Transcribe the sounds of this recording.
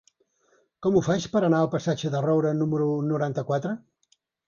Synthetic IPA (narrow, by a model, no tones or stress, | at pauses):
kɔmufat͡ʃpəɾənaəlˠpəsad͡ʒəðərɔwɾənuməɾunuɾant̪əkwat̪ɾə